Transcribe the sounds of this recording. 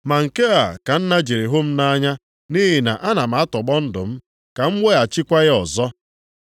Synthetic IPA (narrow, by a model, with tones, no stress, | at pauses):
ma˨ŋ̩˨ke˦a˨ka˨n̩˦na˦d͡ʒe˨ɾe˨ɦʊ˦m̩˦na˦ɲa˦ | ni˦ɦi˨na̰˨ʔa˦na˨m̩˨a˦tɔ˨ɡ͡bɔ˦n̩˦dʊ̰˨m̩˦ | ka˨ŋ͡m̩˦wʷe˦a˨t͡ʃɪ˦kʷa˦ɣɪ˦ɔ˨zɔ˦